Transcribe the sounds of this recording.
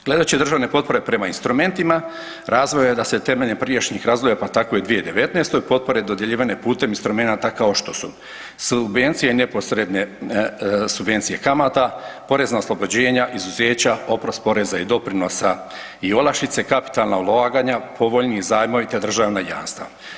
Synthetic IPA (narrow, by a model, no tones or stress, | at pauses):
ɡ̥le̞d̪at͡ɕid̪ɾr̩ʒaːʋne̞po̞t̪po̞ɾe̞pɾe̞mainst̪ɾume̞nt̪ima | ɾʔaːzʋojed̪aset̪e̞me̞ʎepɾjeʃɲixɾaːzlˠojapat̪akojed̪ʋije̞d̪e̞ʋe̞t̪nest̪o̞jpo̞t̪̚po̞ɾe̞d̪o̞d̪jeʎiːʋane̞puːt̪e̞minst̪ɾume̞nat̪akao̞ʃt̪o̞su | subve̞nt̪sijeine̞po̞sɾe̞d̪ne̞ | subʋe̞nt̪sije̞kamat̪apo̞ɾe̞znaoslˠo̞bod͡ʑeːɲaʔizuze̞ːt͡ɕao̞pɾospo̞ɾe̞zaid̪o̞pɾino̞sa | io̞lˠakʃit̪se̞kapi̥t̪alˠnaulˠaːɡaɲapʰo̞ʋo̞ʎnizaːjmo̞ʋit̪e̞d̪r̩ʒaːʋnaja̰ːnst̪va̰